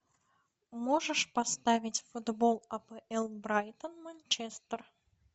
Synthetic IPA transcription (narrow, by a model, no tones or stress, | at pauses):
moʐɨʂpɐst̪avʲɪtʲfʊd̪bolˠɐpɛʔɛlˠbɾajt̪ənmɐnʲt͡ɕɛst̪ər